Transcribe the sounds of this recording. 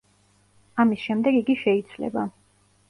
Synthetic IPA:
amisʃɛmd̪ɛɡiɡiʃɛid̪sʰvlɛ̰ba

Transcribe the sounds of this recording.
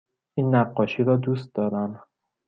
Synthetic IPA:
ʔiːnːæɢːɒːʃiːɾɒːd̪uːst̪̚d̪ɒːɾæn

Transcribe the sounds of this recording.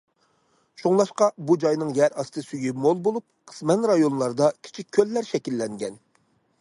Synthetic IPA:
ʃuŋlˠɑʃqɑbud͡ʒɑjnɨŋjɛɾɑst̪ɨsyjymolˠbolˠup̚qʰə̥smɛnɾɑjonlˠɑɾd̪ɑkʲʰi̥t͡ʃʰik̚ʲʰːølːæɾʃɛkʲilːɛŋɡʲɛn

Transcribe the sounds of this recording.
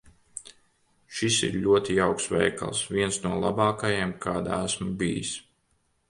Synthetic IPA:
ʃisḭɾʎʲuɔt̪ijawksʋɛ̰jka̰lˠsvʲiɛnsnuɔlˠa̰bɑːkajeɛmkʰaːd̪a̰æsmabḭjḭs

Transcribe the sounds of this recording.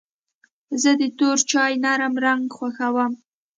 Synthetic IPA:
zəd̪ət̪oɾt͡ʃɑjnaɾəmɾaŋɡxwaxawəm

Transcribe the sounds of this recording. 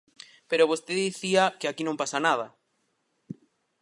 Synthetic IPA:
peɾoβ̞ost̪eðiθiakeɪakinõmpasanað̞a

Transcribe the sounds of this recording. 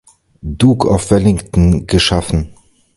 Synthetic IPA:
duːkʰa̰ʊfv̥ɛlɪŋktn̩ɡəʃafn̩

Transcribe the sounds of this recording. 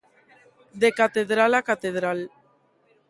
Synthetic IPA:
d̪ekat̪eðɾalakat̪eð̞ɾal

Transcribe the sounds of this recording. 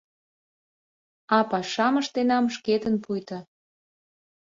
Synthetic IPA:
ɑpɑʃɑməʃt̪enɑmʃket̪ənpujt̪ə̆

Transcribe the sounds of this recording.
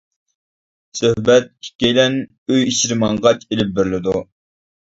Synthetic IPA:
søhbɛt̪̚i̥kʲːejlɛn | øjiʃɾɪmɑɴʁɑt͡ʃelɪp̚bɪɾlɪd̪u

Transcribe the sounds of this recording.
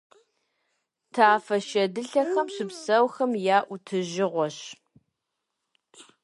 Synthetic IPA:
tʰaːfɐʃɐdɨɬɐxɐmɕɪpsɐwxɐmjaːʔʷʊtʰɨʒɪʁʷɔɕ

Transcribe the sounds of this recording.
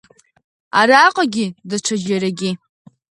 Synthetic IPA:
aɾaqʼaɡʲɪdaʈ͡ʂʰad͡ʒaɾaɡʲɪ

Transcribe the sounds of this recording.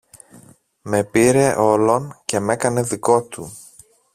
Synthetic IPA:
me̞piɾe̞ʔo̞lo̞nce̞me̞kɐne̞ðiko̞t̪u

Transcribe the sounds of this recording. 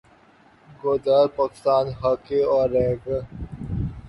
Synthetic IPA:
ɡoːd̪əɾpaːkɪ̥st̪aːnɦakeɔːɾːɛːɡ

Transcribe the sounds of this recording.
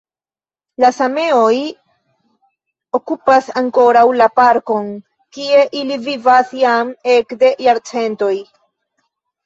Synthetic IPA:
lasame̞o̞j | o̞kupasaŋko̞ɾawlapaɾko̞n | kie̞ʔilivivasjame̞kde̞jaɾt͡se̞nto̞j

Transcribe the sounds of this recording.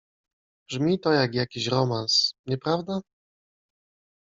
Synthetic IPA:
b̥ʐmʲit̪ɔjaɡjakʲiɕɾɔmansɲɛpɾavd̪a

